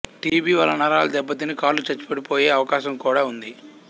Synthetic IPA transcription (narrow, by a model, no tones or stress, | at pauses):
ʈiːbiːʋɐ̰lɐnɐɾaːlɐd̪ɛbːɐt̪inikaːlːut͡ʃɐt͡ʃːu̥pɐɽipoːjeːɐʋɐkaːʃɐmkuːɽaːund̪i